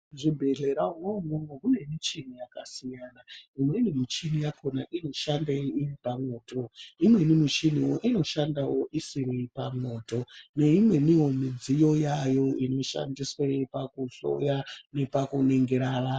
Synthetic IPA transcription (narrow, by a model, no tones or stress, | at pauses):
ʐibʱe̞ɮe̞ɾaunomoŋɡomune̞mit͡ʃinijakasijaːnaimwenimit͡ʃinijakʰonaʔino̞ʃandeiripamo̞ːtoimwe̞nimut͡ʃiniwoʔino̞ʃandawo̞ʔisiɾipa̰mo̞ːto̞ne̞imwe̞niwo̞mid͡zijo̞jajo̞ino̞ʃa̰ndiswepakuɬo̰jane̞pakuneŋɡeɾaːra